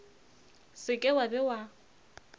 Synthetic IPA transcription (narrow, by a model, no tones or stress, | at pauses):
sɪkʼɛwabɛwa